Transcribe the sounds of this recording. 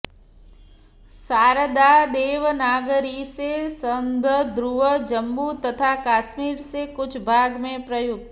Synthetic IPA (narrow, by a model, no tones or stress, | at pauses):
saɾəd̪ad̪eʋnaɡəɾisesənd̪ʱəd̪ɾuʋəd͡ʒəmbut̪ət̪ʰakasmiɾsekʊt͡ʃʰbʱaɡmẽpɾəjuɡ̚